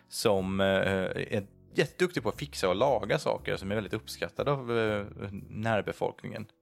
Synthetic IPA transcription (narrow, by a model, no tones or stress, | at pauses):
sɔm | æ̰ | jɛt̪ːəd̪ɵkt̪ɪpʰɔat̪fɪksaɔlɑːɡasɑ̰ːkə̰ɾsɔmɛɾvɛld̪ɪt̪ɵpːskat̪ʰːad̪əav | næːɾbɛfɔ̰lknɪ̰ŋə̰n